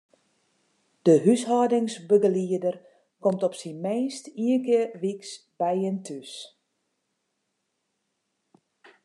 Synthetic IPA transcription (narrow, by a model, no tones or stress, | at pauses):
d̥əɦyshɔːdɪŋsbəɡəliədər | kɔmtɔpsinmeːnstiənkɪərʋiks | b̥ɛjəntʰys